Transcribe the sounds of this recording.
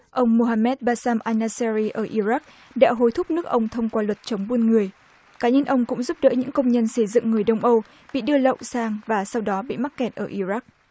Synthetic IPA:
ʔə˧wŋ͡mmo˧ɦaː˧mɛ˦˥t̚ɓaː˧saː˧mʔaː˧jnaː˧sɛ˧ɾi˧ʔəː˧˩ʔi˧za˦˥k̚ | ɗa̰ː˧˥ɦo˨˦jt̪ʰʊ˦˥p̚nɨ˦˥ək̚ʔə˧wŋ͡mt̪ʰə˧wŋ͡mkwaː˧lwə˨˩t̚t͡ɕə˨˦wŋ͡mɓu˧nŋɨ˨˩əj | kaː˨˦ɲə˧nʔə˧wŋ͡mkʊ̰˧˥ŋ͡mzu˦˥p̚ɗə̰ː˧˥jɲɨ̰˧˥ŋkə˧wŋ͡mɲə˧nsə˧˩jzɨ̰˧˨ŋːɨ˨˩əjɗə˧wŋ͡mʔə˧w | ɓḭ˧˨ɗɨ˧ələ̰˧˨wsaː˧ŋvaː˨˩sa˧wɗɔ˨˦ɓḭ˧˨ma˦˥t̚kːɛ˨˩t̚ʔəː˧˩ʔi˧za˦˥k̚

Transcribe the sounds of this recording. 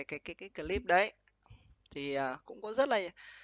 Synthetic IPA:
jkaː˨˦jkaː˨˦jkaː˨˦jkə˨˩li˦˥p̚ɗə˨˦j | t̪ʰi˨˩ʔəː˨˩kʊ̰˧˥ŋ͡mkɔ˨˦zə˦˥t̚laː˨˩˨

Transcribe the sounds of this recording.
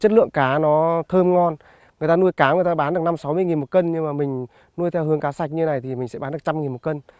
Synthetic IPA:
t͡ɕə˦˥t̚lɨ̰˧˨əŋkaː˨˦nɔ˨˦t̪ʰəː˧mŋɔ˧n | ŋɨ˨˩ət̪aː˧nu˧əjkaː˨˦ŋɨ˨˩jt̪aː˧ɓaː˨˦nɗk̚na˧msa˨˦wmɨ˧jŋi˨˩mo˨˩kə˧nɲɨ˧ŋmaː˨˩mï˨˩ŋ̟ | nu˧jt̪ʰɛ˧whɨ˨˦əŋkaː˨˦sa˨˩jk̟̚ɲɨ˧˦na˨˩jt̪ʰi˨˩mï˨˩ŋ̟sɛ̰˧˥ɓaː˨˦nɗ̚t͡ɕa˧mŋi˨˩nmo˨˩kə˧n

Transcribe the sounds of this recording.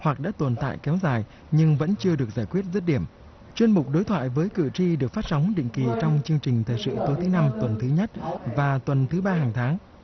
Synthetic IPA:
hwa˨˩k̚ɗa̰ː˧˥t̪o˨˩nt̪a̰ː˧˨jkɛ˨˦wzaː˨˩j | ɲɨ˧ŋvə̰˧˥nt͡ɕɨ˧əɗɨ˨˩ək̚zaː˧˩jkwi˦˥ət̚zə˦˥t̚ɗi˧˩əm | t͡ɕwi˧ənmʊ˨˩k͡p̚ɗo˨˦jt̪ʰwa̰ː˧˨jvəː˨˦jkɨ˧˩t͡ɕi˧ɗɨ˨˩ək̚faː˦˥t̚sa˨˦wŋ͡mɗḭ˧˨ŋ̟ki˨˩t͡ɕɔ˧wŋ͡mt͡ɕɨ˧əŋt͡ɕï˨˩ŋ̟t̪ʰəː˨˩jsɨ̰˧˨t̪o˨˦jt̪ʰɨ˨˦na˧mt̪wə˨˩nt̪ʰɨ˨˦ɲə˦˥t̚vaː˨˩t̪wə˨˩nt̪ʰɨ˨˦ɓaː˧ɦaː˨˩ŋt̪ʰaː˨˦ŋ

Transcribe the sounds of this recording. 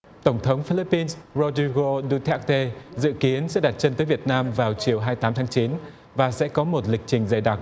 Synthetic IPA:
t̪ə˧˩wŋ͡mt̪ʰə˨˦wŋ͡mfi˧li˦˥pːi˧nszo˧zi˧ɣo˧ɗu˧t̪ʰɛ˦˥k̚t̪e˧zɨ̰˧˨ki˨˦ənsɛ̰˧˥ɗaː˨˩t̚t͡ɕə˧nt̪əː˨˦jvi˨˩ət̚naː˧mvaː˨˩wt͡ɕi˨˩əwɦaː˧jt̪aː˨˦mt̪ʰaː˨˦ŋt͡ɕi˨˦n | vaː˨˩sɛ̰˧˥kɔ˨˦mo˨˩t̚lï˨˩k̚t͡ɕï˨˩ŋ̟zaː˨˩jɗa˨˩t̚

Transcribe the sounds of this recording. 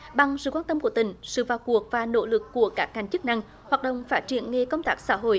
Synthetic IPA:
ɓa˨˩ŋsɨ̰˧˨kwaː˧nt̪ə˧mku˧˩ət̪ï˧˩ŋ̟sɨ̰˧˨vaː˨˩wku˨˩ək̚vaː˨˩no̰˧˥lɨ˨˩kːu˧˩əkaː˦˥k̚ːa˧˩jŋ̟t͡ɕɨ˦˥k̚na˧ŋ | hwaː˨˩t̚ɗə̰˧˨ŋ͡mfaː˦˥t̚t͡ɕḭ˧˩ənŋe˧kə˧wŋ͡mt̪aː˦˥k̚sa̰ː˧˥ɦo̰˧˨j

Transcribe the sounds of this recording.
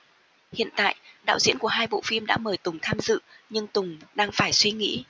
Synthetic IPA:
hḭ˧˨ənt̪a̰ː˧˨jʔɗa̰ː˧˨wzḭ˧˥nku˧˩əɦaː˧jɓo̰˧˨fi˧mɗa̰ː˧˥məː˨˩jt̪ʊ˨˩ŋ͡mt̪ʰaː˧mzɨ̰˧˨ɲɨ˧ŋt̪ʊ˨˩ŋ͡mɗaː˧ŋfaː˧˩jswi˧ŋḭ˧˥

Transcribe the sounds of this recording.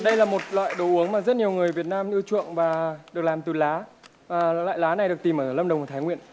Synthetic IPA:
ɗə˧jlaː˨˩mo˨˩t̚lwa̰ː˧˨jɗo˨˦ʔu˨˦əŋmaː˨˩zə˦˥t̚ɲi˨˩əwŋɨ˨˩əjvi˨˩ət̚naː˧mʔɨ˧t͡ɕwṵ˧˨əŋvaː˨˩ɗɨ˨˩əklaː˨˩mt̪ɨ˨˩laː˨˦˨ | la̰ː˧˨jlaː˨˦na˨˩jɗək̚t̪i˨˩mʔəː˧˩˧lə˧mɗə˨˩wŋ͡mt̪ʰaː˨˦ŋwḭ˧˨ən

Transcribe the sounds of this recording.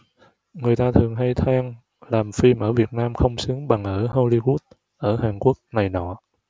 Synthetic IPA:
ŋɨ˨˩əjt̪aː˧t̪ʰɨ˨˩əŋɦa˧jt̪ʰaː˧ŋ | laː˨˩mfi˧mʔəː˧˩vi˨˩ət̚naː˧mxə˧wŋ͡msɨ˨˦əŋɓa˨˩ŋʔəː˧˩ho˧li˧ɣu˦˥ət̚ | ʔəː˧˩ɦaː˨˩ŋku˦˥ək̚na˨˩jnɔ̰˧˨

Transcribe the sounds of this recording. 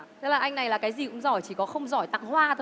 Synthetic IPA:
t̪ə˨˦˥laː˨˩ʔa˧jŋna˨˩jlaː˨˩kaː˨˦jzi˨˩kʊ̰˧˥ŋ͡mzɔ˧˩jt͡ɕi˧˩kɔ˨˦xə˧wŋ͡mzɔ˧˩jt̪a̰˧˨ŋhwaː˧t̪ʰə˧

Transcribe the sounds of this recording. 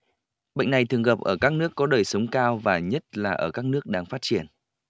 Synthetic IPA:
ɓə̰˧˨ŋ̟na˨˩jt̪ʰɨ˨˩əŋɣə˨˩p̚ʔəː˧˩kaː˦˥k̚nɨ˦˥əkːɔ˨˦ɗəː˨˩jsə˨˦wŋ͡mkaː˧wvaː˨˩ɲə˦˥t̚laː˨˩ʔəː˧˩kaː˦˥k̚nɨ˦˥ək̚ɗaː˧ŋfaː˦˥t̚t͡ɕi˧˩ən

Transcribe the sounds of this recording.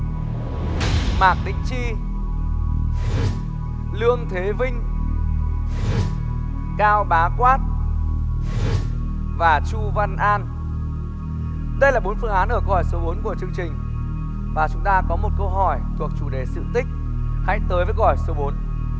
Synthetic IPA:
maː˨˩k̚ɗï˧˨˥ŋ̟t͡ɕi˧ | lɨ˧əŋt̪ʰe˨˦vï˧ŋ̟ | kaː˧wɓaː˨˦kwaː˦˥t̚ | vaː˨˩t͡ɕu˧va˧nʔaː˧n | ɗə˧jlaː˨˩ɓo˨˦nfɨ˧əŋʔaː˨˦nʔəː˧˩kɔ˧˨˩jso˨˦ɓo˨˦nku˧˩ət͡ɕɨ˧əŋt͡ɕï˨˩ŋ̟ | vaː˨˩t͡ɕʊ˨˦ŋ͡mt̪aː˧kɔ˨˦mo˨˩t̚kə˧wɦɔ˧˩jt̪ʰu˨˩ək̚t͡ɕu˧˩ɗe˨˦sɨ̰˧˨t̪ï˦˥k̚ | ha̰˧˥jt̪əː˨˦jvəː˨˦jɣjso˨˦ɓo˨˦n

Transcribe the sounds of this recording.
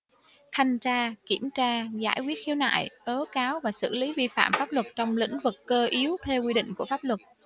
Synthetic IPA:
t̪ʰa˧jŋ̟t͡ɕaː˧ki˧˩əmt͡ɕaː˧za̰ː˧˩jkwi˦˥ət̚xi˨˦wna̰ː˧˨jɗo˨˦kaː˨˦wvaː˨˩sɨ̰˧˩li˨˦vi˧fa̰ː˧˨mfaː˦˥p̚lwə˨˩t̚t͡ɕɔ˧wŋ͡mlḭ̈˧˥ŋ̟vɨ˨˩kːəː˧ʔi˨˦əwt̪ʰɛ˧wkwi˧ɗḭ˧˨ŋ̟ku˧˩əfaː˦˥p̚lwə˨˩t̚

